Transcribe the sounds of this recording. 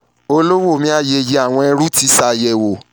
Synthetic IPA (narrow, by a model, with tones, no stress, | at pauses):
o˧lo˦wo˦˨mĩ˦a˦˨je˧˨je˧˦a˦˨w̃ɔ̃˧ɛ˧ɾu˦ti˦sa˧˨jɛ˨wo˨